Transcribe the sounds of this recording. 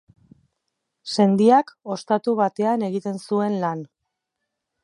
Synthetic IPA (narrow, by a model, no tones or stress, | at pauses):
se̞nd̪iako̞st̪at̪uβ̞at̪e̞ane̞ɣit̪e̞nsue̞nlan